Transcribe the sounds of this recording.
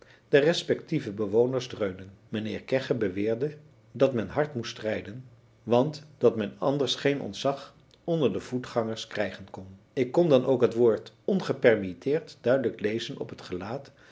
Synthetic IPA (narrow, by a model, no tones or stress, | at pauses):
d̥ərɛspɛk̚tivəbəʋownəɹzdrøɥmdənmənɪːɹkɛχəbəʋɪːɹdə | dɑtmɛnɦɑɹtmustrɛjdən | ʋɑntd̥ɑtmɛnɑ̰ndəɹsχejnʔɔ̰ntsɑχ | ɔndəɹdəv̥utχɑŋəɹskrɛjχənkɔn | ɪkːɔndɑnʔowkɦətʋoːɹtɔnχəpɛrmitɪːɹtdœɥdələklejzənɔ̰pɦətχəlaːt